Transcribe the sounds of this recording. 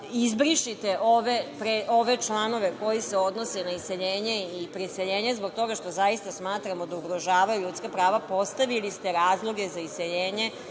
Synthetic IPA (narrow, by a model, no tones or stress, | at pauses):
izbɾiʃit̪eʔoʋepɾeʔo̞ʋe̞t͡ʃlˠano̞ʋe̞ko̞jise̞o̞d̪no̞senaiseʎeːɲe̞ipɾiseʎeːɲezbo̞ɡ̚t̪o̞ɡaʃt̪o̞zaist̪asmaːt̪ɾamod̪auɡɾo̞ʒaːʋajuʎut̪skapɾaːʋapo̞st̪aʋilist̪e̞ɾaːzlˠo̞ɡe̞zaiseʎeːɲe̞